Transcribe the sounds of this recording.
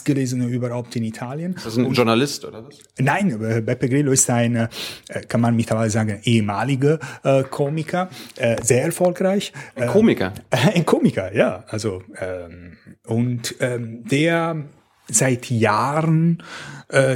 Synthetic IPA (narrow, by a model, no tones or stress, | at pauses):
sɡ̥əleːzənəyːbɐhaʊp̚tɪnitʰaːljənsʒʊɐnalɪstʔo̰ːdɐ | naɪnɛːbaɪpɛɡʁeːloɪstaɪnəʔːkʰanmanmɪtʰlɐvaɪləzaːɡən̩ʔeːəmaːlɪɡəʔɛkʰoːmɪkʰɐʔɛzeːɐɛɐfɔlkʁaɪçɛkʰoːmɪkɐ̰aɪnkʰoːmɪkɐjaːʔalzoʔɛːmʊntɛːd̥eːɐ | zaɪtjaːʁənʔː